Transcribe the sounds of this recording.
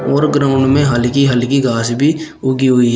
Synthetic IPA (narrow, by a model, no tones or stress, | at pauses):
ɔːɾɡɾaːʊ̃ɳɖmẽɦəlkiɦɐlkiɡaːsbʱi | ʊɡiɦʊi